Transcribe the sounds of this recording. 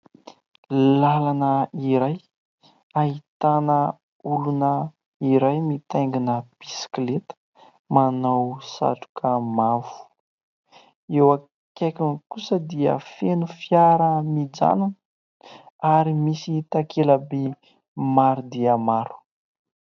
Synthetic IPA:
lalanəiɾaj | ait̪anə | ulunə | iɾajmit̪ajŋɡinəb̥isi̥klet̪ə̥ | manawsa̰ʈ͡ʂu̥kʰəmavu̥ | ewa | kakʲiŋkusəd̪iə̰fenufiaɾəmid͡za̰nunə | aɾimisit̪akʰeləbe | maɾud̪iəmaɾu̥

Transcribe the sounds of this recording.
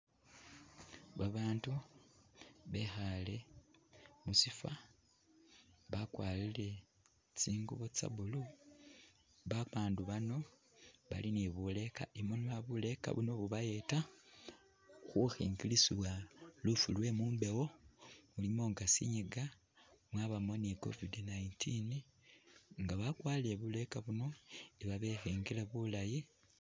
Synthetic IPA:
βaβaːntu | βe̞xale̞ | musifa | βakwaːlile̞ | t͡siːŋɡuβot͡sa̰βulu | βaβaːnduβano̞ | βa̰liniβule̞ka̰ʔimoniβaβule̞ka̰βuno̞βuβaje̞ta | xuxḭːŋɡilisiβwalufulwe̞muːmbe̞wo̞ulimo̞ːŋɡasḭɲiɡa | mwaβamo̞niko̰vidinaintʰini | ŋɡaβakwaːleβule̞kaβuno̞eβaβe̞xiːŋɡileβulaji

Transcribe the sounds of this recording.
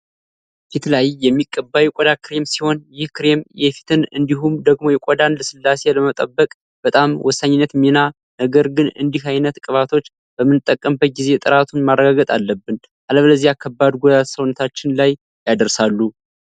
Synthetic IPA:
fit̪lajːɛmːikʼːəbːajukʼod̪akʰɨɾe̞msiho̞njɪhkɨɾe̞mjɛfi̥t̪ʰɨnɨnd̪iɦumd̪əɡmo̞jɛkʷʼod̪anləsɨlːase̞ləmət̪ʼəbːəkʼ | b̥ət̪ʼamwʔɔsːaɲːɪnːət̪mina | nəɡəɾɡɨnɨ̰nd̪ihajnət̪kʼɨβat̪ʰo̞t͡ʃː | b̥əmːɨnɨt̪ʼːəkʼːəmbət̪̚ɡize̞t̪ʼɨɾat̪ʰunmarːəɡaɡət̪ʼalːəbːɨn | ʔaləβləzːiakʰːəbːad̪ɡoasəwnːət̪ʰat͡ʃːɪnlaj | jad̪əɾsalːu

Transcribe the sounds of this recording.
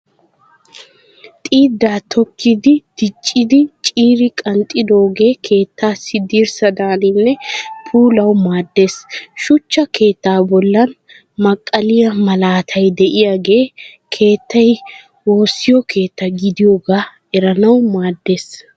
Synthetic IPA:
t̪ʼiːd̪ːaːt̪ʰɔkʰːɪd̪ɪd̪̥ɪt͡ʃʼːɪd̪ɪt͡ʃʼiːɾɪkʼɐnt̪ʼɪd̪o̞ːɡe̞ːkʰe̞ːt̪ːaːsɪd̪iːɾsɐd̪aːnɪnːɛpʰuːlɐwmaːd̪ːe̞ːsʃʊt͡ʃːɐke̞ːt̪ːaːbɔlːɐn | mɐkʼːɐlɪjɐmɐlaːt̪ʰɐjd̪ɛʔɪjaːɡe̞ː | kʰe̞ːt̪ːɐj | wo̞ːsːɪjɔkʰe̞ːt̪ːɐɡɪd̪ɪjoːɡaː | ɛɾɐnɐwmaːd̪ːe̞ːs

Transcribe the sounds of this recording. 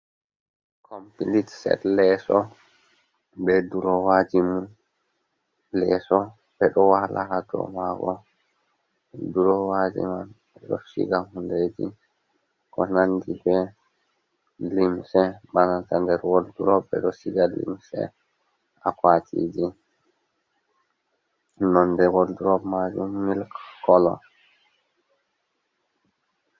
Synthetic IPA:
kʰompilitsɛ̰tlɛsɔ | bɛduɾɔwad͡ʒimu | lɛsɔ | ɓɛɗɔwalʔahadɔ̰maɡɔ | duɾɔwad͡ʒḭmanɓɛɗɔsḭɡahunded͡ʒi | kɔnandibɛ | limsɛbanatandɛɾwolduɾɔbɛ̰ɗɔsiɡalḭmsɛ̰ | akwatʰḭːd͡ʒi | nɔndɛwolduɾɔbmad͡ʒumːilkkɔlɔ̰

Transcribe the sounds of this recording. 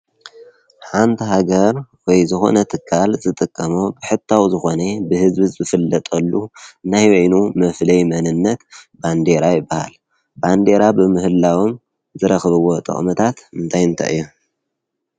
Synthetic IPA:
ħant̪ʰiɦaɡɐɾwɔjzɨxo̞̰nɐt̪ʰɨkʰːalzɨt̪ʼɨkʼːɐmobɨħɨt̪ʰːawzɨxo̞nebɨhɨzbizɨfɨlːɐt̪ʼɐlːuɨnajwɐnumɐflɐjmɐnɨnːɐt̪band̪eɾajɪbːaha̰l | band̪e̞ɾabɨmɨhɨlːawom | zɨɾɐxβɨwo̞t̪ʼɨ̰χʼmɐt̪ʰat̪ɨnt̪ʰajɨnt̪ʰa̰ʔɨ̰jːu

